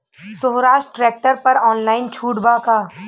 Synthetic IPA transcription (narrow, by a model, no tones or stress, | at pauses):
soɦɾaːʃʈʈɾɛːk̚ʈəɾpɐɾɔːnlaːɪnt͡ʃʰuːʈbaːkaː